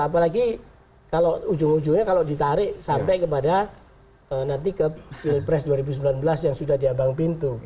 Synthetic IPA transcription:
ap̬alaɡi | kaloud͡ʒʊŋud͡ʒuŋɲakalodit̪aɾɪʔsampɛkəp̬ada | ənant̪̬ikəpɪlpɾɛsduaɾibusəmbilanbəlasjaŋsudahdiabaŋpint̪u

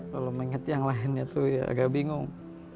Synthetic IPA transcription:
laluməŋət̪jaŋlaɪnɲat̪uja̰a̰ɡaʔbiŋʊŋ

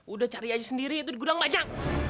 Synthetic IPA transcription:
udaht͡ʃaɾiad͡ʒasəndiɾiːt̪̬udiɡudaŋbaɲak̚

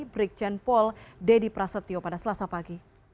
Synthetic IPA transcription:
bɾik̚t͡ʃɛnpɔldɛdipɾasət̪iopadasəlasapaɡi

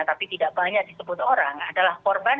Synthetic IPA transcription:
t̪apit̪idaʔb̥aɲak̚disəbʊt̪oɾaŋadalahkɔrban

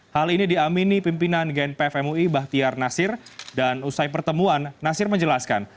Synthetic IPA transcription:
halinidiaminipimpinanɡɛnpɛfɛmuibaht̪iarnasɪrdanusajpərt̪əmuanːasɪrməɲd͡ʒəlaska̰n

